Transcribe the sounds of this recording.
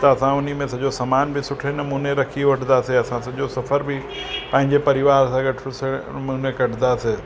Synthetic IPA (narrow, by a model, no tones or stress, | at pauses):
t̪ɐɐsãʊnimẽsɐʄosɐmaːnbʱɪsʊʈʰenɐmuːneɾɐkʰioʋɐʈʰnaːseɐsãsɐʄosɐfəɾbʱɪ | pɐ̃ɦɪ̃ɲd͡ʑepɐɾɪʋaːɾsãɡɐʈʰʊseɐmuːnekɐʈʰnd̪aːseː